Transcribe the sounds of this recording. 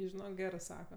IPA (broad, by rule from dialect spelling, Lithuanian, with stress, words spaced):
ˈɪ ʒʲɪˈnoːk ˈɡʲæːrɜ ˈsɑːkɐ